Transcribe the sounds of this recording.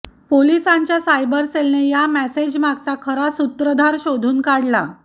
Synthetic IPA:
polisãɲt͡ɕjasajbəɾselnejamæsed͡ʑmaɡsakʰəɾasut̪ɾəd̪ʱaɾɕod̪ʱuːnkaɽla̰

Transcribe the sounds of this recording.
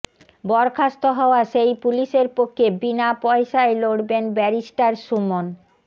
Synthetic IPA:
bɔɾkʰast̪oɦɔoaʃejpuliʃeɾpokʰːebinapɔeʃaeloɽbenbɛɾiʃʈaɾʃumon

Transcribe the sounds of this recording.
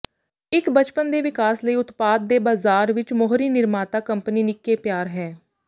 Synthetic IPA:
ɪkbət͡ʃpənd̪eːʋɪkaːsləiːʊt̪paːd̪̚ːeːbaːzaːɾʋɪt͡ʃmɔɦɾiːnɪɾmaːt̪aːkəmpniːnɪkːeːpjaːɾɦɛː

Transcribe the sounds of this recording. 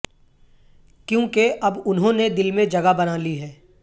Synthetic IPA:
kjõːkeʔɐbʊnɦõːned̪ɪlmẽd͡ʒɐɡabɐnaliɦɛː

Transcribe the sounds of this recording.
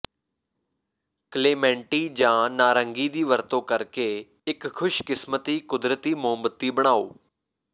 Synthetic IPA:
kleːmɛ̃ːɳʈiːd͡ʒãːnaːɾəŋɡiːd̪iːʋəɾt̪õːkəɾkeː | ɪkkʰːʊʃkɪsmət̪iːkʊd̪ɾət̪iːmʊɦəmbət̪ːiːbəɽ̃aːo̰ː

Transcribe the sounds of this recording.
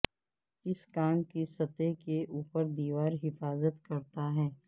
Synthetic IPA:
ɪskaːɳkisɐt̪ekeʔuːpəɾd̪iːʋaːɾɦɪfaːzət̪kɐɾt̪aɦɛː

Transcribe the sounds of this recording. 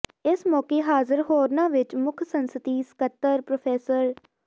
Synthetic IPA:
ɪsmɔːkeːɦaːzəɾɦoːɾnãːʋɪt͡ʃmʊkʰsənsət̪iːsə̥kət̪ːəɾpɾopʰɛːsəɾ

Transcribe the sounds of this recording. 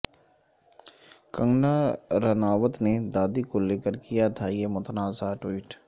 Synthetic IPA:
kə̃ŋɡnaɾənaːʋət̪ned̪aːd̪ikoleːkəɾkijat̪ʰajemʊt̪ʰnaːsaʈwiːʈ

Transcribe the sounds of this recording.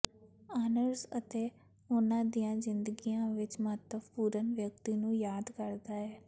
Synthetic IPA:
aːnəɾzət̪eː | ʊnãːd̪ijãːzɪnd̪əɡijãːʋɪt͡ʃməɦt̪əbpuːɾənʋjək̚t̪iːnũːjaːd̪kəɾd̪aːɛː

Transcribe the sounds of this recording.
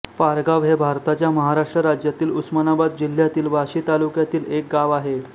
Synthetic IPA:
paɾɡaʋɦebʱaɾt̪at͡ɕjaməɦaɾaʂʈɾəɾad͡ʑjat̪iːlusmanabad̪̚d͡ʑil̤ːjat̪iːlʋaɕiːt̪alukjat̪iːlek̚ɡaʋaɦe

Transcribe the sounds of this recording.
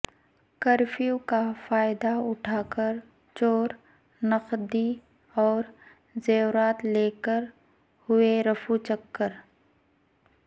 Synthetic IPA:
kəɾfʰijukafaːɪd̪aʊʈʰaːkəɾ | t͡ʃoːɾ | nəqd̪i | ɔːɾ | zeːɾaːt̪leːkəɾ | hʊeɾɐfut͡ʃəkːəɾ

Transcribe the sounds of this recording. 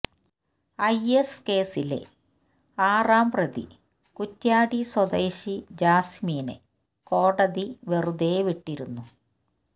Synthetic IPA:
ɐjeske̞ːsilḛ | aːraːmprɐðḭ | kutːjaːɽiswɐd̪ɐjɕid͡ʑaːsmiːnḛ | ko̞ːɽɐðiʋeruðeːʋiʈːiɾunːu

